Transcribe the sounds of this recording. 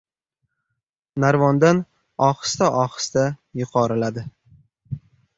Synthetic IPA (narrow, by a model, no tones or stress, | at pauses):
naɾvɒnd̪an | ɒχɨ̥st̪aʔɒχɨ̥st̪ajʊqʰɒɾɪlad̪ɪ